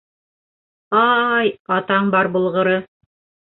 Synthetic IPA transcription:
ɑjɑt̪ɑɴbɑɾbŏlˠʁɤ̆ɾɤ

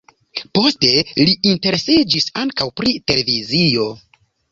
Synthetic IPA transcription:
po̞ste̞liinte̞ɾe̞sid͡ʒisaŋkawpɾite̞le̞vizijo̞

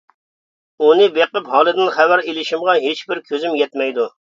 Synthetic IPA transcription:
unɨbeqəphɑːlˠɨd̪ɪnχæwæɾelɪʃimʁɑɦet͡ʃbɪɾkʲʰøzymjɛt̪mɛjd̪u

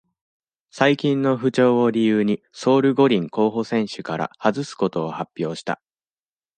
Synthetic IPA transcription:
saikʲĩnːo̞ɸɯ̟t͡ɕo̞ːoɾʲijɯːɲ̟i | so̞ːɾɯ̟ɡo̞ɾʲĩŋko̞ːɦo̞sẽ̞ɰ̃ɕɨkaɾa̰hazɨsɨ̥ko̞t̪o̞ːhapʲːjo̞ːɕi̥t̪a̰

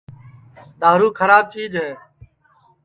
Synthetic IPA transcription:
d̪aːɾuːkʰəɾaːb̚t͡ʃiːd͡ʒɦẽː

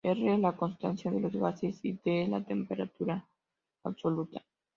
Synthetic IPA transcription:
erelako̞nst̪ansjaðe̞lo̞zɣasesit̪ela̰t̪e̞mpeɾat̪uɾaː | βso̞lut̪a

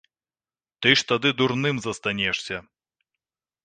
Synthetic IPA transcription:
t̪ɨʂt̪ad̪ɨd̪uɾnɨmzɐst̪anʲɛʂsʲɐ

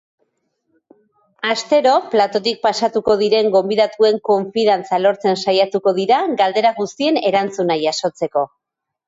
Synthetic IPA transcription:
ast̪e̞ɾo̞plat̪o̞t̪̬ik̚pasat̪uko̞ðiɾe̞ŋɡo̞mbiðat̪ue̞ŋko̞ɱfiðant͡salo̞ɾt͡se̞nsajat̪uko̞ðiɾaɡald̪e̞ɾaɣust̪ie̞ne̞ɾant͡sunajaso̞t͡se̞ko̞

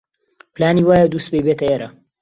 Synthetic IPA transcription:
plaːniːwaːjad̪uːst̪̚bejbeːt̪ʰɐeːɾɐ

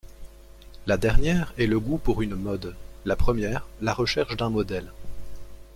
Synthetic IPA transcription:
lad̪ɛʁnjɛʁɛləɡupuʁynmɔd̪lapχəmjɛːʁlaʁəʃɛʁʃd̪ɛ̃mɔd̪ɛl

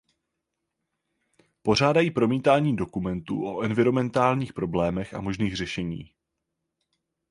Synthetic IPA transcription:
po̞r̝aːdajiːpɾo̞miːt̪aːɲiːdo̞kumɛnt̪ṵːʔo̞ʔɛnvɪɾo̞mɛnt̪aːlɲiːxpɾo̞blɛːmɛxʔa̰mo̞ʒniːɣr̝ɛʃɛɲḭː

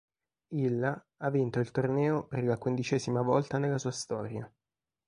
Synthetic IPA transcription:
ilːa | avːint̪oilt̪ornɛːoperlakwind̪it͡ʃɛːzimavɔlt̪anelːasuːast̪ɔːɾja

